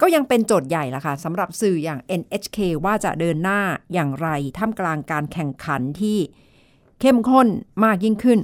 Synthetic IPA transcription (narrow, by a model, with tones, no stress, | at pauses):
kɔː˥˩ja˧ŋpe˧nt͡ɕoː˨˩t̪̚ja˨˩jla˨˩kʰa˥˩sa˩˦mɾa˨˩p̚sɯː˨˩jaː˨˩ŋʔe˧nʔe˦˥t͡ɕʰkʰeː˧waː˥˩t͡ɕa̰˨˩ʔdɤː˧nːaː˥˩jaː˨˩ŋɾa˧jt̪ʰaː˥˩mklaː˧ŋkaː˧nkʰɛ˨˩ŋkʰa˩˦nt̪ʰiː˥˩ | kʰe˥˩mkʰo˥˩nmaː˥˩k̚ji˥˩ŋkʰɯ˥˩n